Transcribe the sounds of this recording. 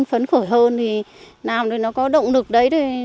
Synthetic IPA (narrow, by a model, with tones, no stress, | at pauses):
ŋfə˨˦nxo˧˩jhəː˧nt̪ʰi˨˩ | naː˨˩mt̪o˨˩jnɔ˨˦kɔ˨˦ɗə̰˧˨wŋ͡mlɨ˨˩ək̚ɗə˨˦jɗ̪ə˨˧˩